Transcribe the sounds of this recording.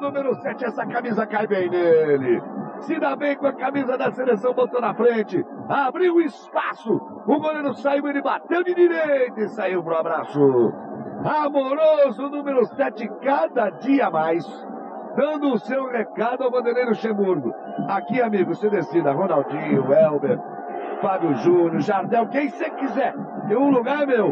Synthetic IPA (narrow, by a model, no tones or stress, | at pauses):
nũmeɾʊsɛt͡ʃɪɛsɐkamizɐkajbẽj̃nelɪsɪd̪abẽj̃kõɐkamizɐd̪ɐselesɐ̃w̃bot̪onɐfɾẽt͡ʃɪabɾiwʊɪspasʊ | ʊɡõd̪eɾʊsaiwelɪbat̪ẽwd͡ʒɪd̪iɾejt̪ʊɪsaiwpɾʊabɾasʊ | amoɾozʊnũmeɾʊst̪ɛt͡ʃɪkad̪ɐd͡ʒiɐmajs | d̪ɐ̃nd̪ʊʊsewhekad̪ʊawɡõd̪elejɾʊʃẽmuɾɡʊ̰ | akiamiɡʊsed̪esid̪ɐɦõnawd͡ʒĩɲʊɛwbeɾ | fabjʊʒũnʊʒaɾd̪ɛwkẽj̃sekizɛɾẽũluɡaɾmew